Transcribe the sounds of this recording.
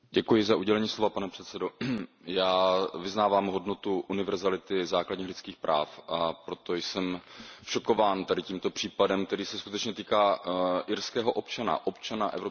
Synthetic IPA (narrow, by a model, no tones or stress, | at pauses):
ɟɛkujɪzaʔuɟɛlɛɲiːslo̞vapanɛpr̝̥ɛt̪t͡sɛdo̞jaːvɪznaːvaːmɦo̞dno̞t̪uʔunɪvɛɾzalɪt̪ɪzaːkladɲiːxlɪt͡skiːxpɾʔa̰ːfʔapɾo̞t̪o̞jsɛmʃo̞ko̞vaːnt̪adɪciːmt̪o̞pr̝̥iːpadɛmk̚t̪ɛɾiːsɛskut̪ɛt͡ʃɲɛt̪iːkaːʔɪɾskɛːɦoʔo̞pt͡ʃana̰ʔopt͡ʃanaʔɛ̰vɾo